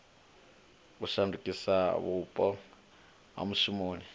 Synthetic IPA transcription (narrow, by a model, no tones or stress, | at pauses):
usandukʼisaβupʼɔ | ɦa̰musumoːni